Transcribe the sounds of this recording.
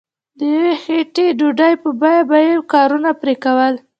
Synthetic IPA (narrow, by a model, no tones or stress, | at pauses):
d̪əjawexeʈeɖuɖajpəbɑjabajekɑɾunapɾekawəl